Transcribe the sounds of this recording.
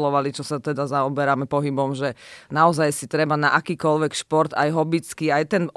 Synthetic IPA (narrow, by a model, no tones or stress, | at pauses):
lɔʋalit͡ʃɔsat̪ɛd̪azaɔbɛɾamɛpɔɦibɔmʒɛnaɔzajsit̪ɾɛbanaʔakiːkɔlʋɛkʃpɔɾt̪ajɦɔbit͡skiajt̪ɛn